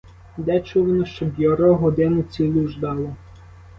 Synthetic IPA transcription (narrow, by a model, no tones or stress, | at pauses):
d̪ɛt͡ʃuʋɐnɔʃt͡ʃɔbjɔɾɔɦɔd̪ɪnʊt͡sʲilʲuʒd̪ɑlˠɔ